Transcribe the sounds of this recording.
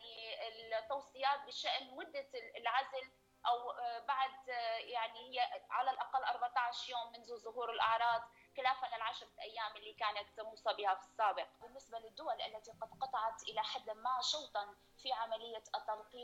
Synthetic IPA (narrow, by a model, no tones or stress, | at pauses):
aniɪlt̪ːɑwsˤɨjaːt̪̚bɪʃaʔnmʊd̪ːalʕazl | ʔawbaʕd̪jaʕnihɪjːaʕalalʔɑqalːʔɑɾˤbaʕt̪ˤɑʕʃɾjoːmːɪnzuzʊhuːɾɪlʔɑʕɾˤɑːd̪ˤ | xɪlaːfanɪlʕaʃɾˤlʔajːaːmʔɪlːiːkaːnat̪ːmuːsˤɑbɪhafi̥sːaːbɪq̚bɪnːɪsbalɪd̪ːʊwalʔalːat̪iqɑd̪qɑt̪ˤɑʕɑt̪ʔɪlaħad̪ːmaʃɑwt̪ˤɑn | fiʕamalɪjːat̪ːɑlqiː